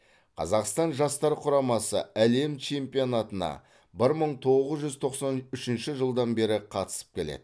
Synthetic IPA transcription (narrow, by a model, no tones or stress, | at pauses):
qʰɑ̰zɑqst̪ɑnʒɑst̪ɑɾqʰʊɾɑmɑsə̰æle̞mt͡ʃʰe̞mpijo̞nɑt̪ənɑ̰ | bɪɾməɴt̪ʰo̞ʁəzʒʏzt̪ʰo̞qsɑnʏʃɪnʃɪʒəlˠd̪ɑnbe̞ɾɪqʰɑt̪ə̥sə̥p̚kʲʰe̞lḛd̪ɪ